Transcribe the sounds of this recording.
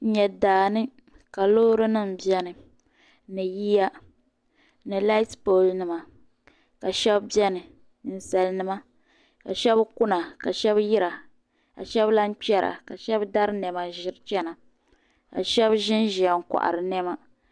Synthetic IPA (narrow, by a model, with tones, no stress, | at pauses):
ɲɛ˨daː˨nɨ˦ | ka˨loː˦ɾɨ˦nɨ˦˨m̩˨bjɛ˦nɨ˨ | nɨ˨ji˦ja˦ | nɨ˨la˦spo˨lnɨ˨ma˨ | ka˨ʃɛ˦bbi˦ɛ˦nɨ˨ | nɨ˨n̩˨sa˨lnɨ˦ma˦ | ka̰˨ʃɛ˦bku˦na˨ka˨ʃɛ˦bji˦ɾa˨ | ka̰˨ʃɛ˦bla˦n˦k͡pɛ˦ɾa̰˨ka˨ʃɛ˦bda˦ɾɨ˦nɛ˨ma˨ʒɪ˦ɾt͡ʃɛ˦na˨ | ka̰˨ʃɛ˦bʒɪ˦nʒi˨a˨ŋ̩˨ka̰˨ʔa̰˨ɾɨ˨nɛ˦ma˦